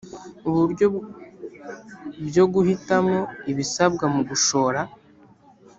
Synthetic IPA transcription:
uβuɾɟo | bjo̞ɡuhitamŋo̞iβisabɡamuɡuʃo̞ːɾa

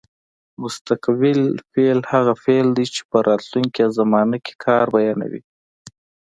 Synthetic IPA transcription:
mʊst̪aqbɪlfelhaɣafeld̪it͡ʃe̥pəɾʔɑt̪luŋkiawzamɑnake̥kʰɑɾbajɑna̰wḭ

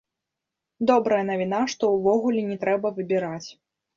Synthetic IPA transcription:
d̪ɔbɾɐjɐnɐvʲinaʂt̪ɔwvɔɣulʲɛnʲɛt̪ɾɛbɐvɨbʲiɾat͡sʲ

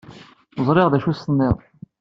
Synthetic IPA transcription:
əzˤɾˤeʁðæʃusənːɪʁˤ

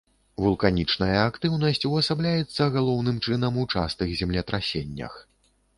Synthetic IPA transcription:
vulˠkanʲit͡ʂnɐjɐːkt̪ɨwn̪ɐsʲt͡sʲuɐsablʲajɛt̪sːɐɣalˠɔwnɨmt͡ʂɨn̪ɐmut͡ʂa̰st̪ɨɣzʲɛmlʲɛt̪ɾasʲenʲːɐ̰x

